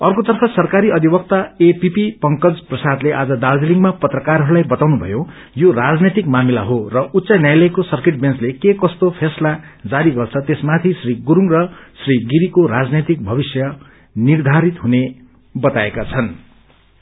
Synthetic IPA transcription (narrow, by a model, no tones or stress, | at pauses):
ʌrkot̪ʌrpʰʌsʌrkaɾiʌd̪ʱibʌk̚t̪aepipipʌŋkʌd͡zprʌsad̪leʔad͡zʌd̪ald͡zeliŋɡmapʌt̪rʌkarɦʌɾulajbʌt̪awnubʱʌ̰jo | jorad͡znet̪ikmamila̰ɦorʌut̪ːsʌnjajlʌjkosʌrkeʈ̚benslekekʌst̪opʰeslad͡zaɾiɡʌrt͡sʰʌt̪esmat̪ʰisriɡuɾuŋrʌsriɡiɾikorad͡znet̪ik̚bʱʌβisjʌ | nird̪ʱaɾit̪ɦune | bʌt̪aekat͡sʰʌn